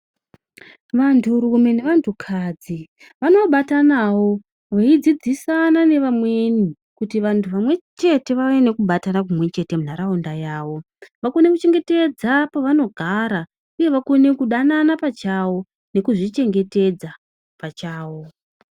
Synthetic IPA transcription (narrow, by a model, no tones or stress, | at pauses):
ʋantʰuɾume̞neʋantʰukʰad͡zi | ʋano̞ɓatanawo̞ | ʋaid͡zid͡zisanane̞ʋamwe̞ni | kutiʋantʰuʋamwe̞t͡ʃe̞te̞ʋaene̞kuɓatanak̬umwe̞t͡ʃe̞te̞munaɾaundajaːʋo̞ | ʋako̞ne̞kut͡ʃe̞ŋɡe̞te̞d͡zapaʋano̞ɡʱaɾa | uje̞ʋako̞ne̞kuɗananapat͡ʃawo̞ | ne̞kuʐit͡ʃe̞ŋɡe̞te̞d͡za | pat͡ʃaːwo̞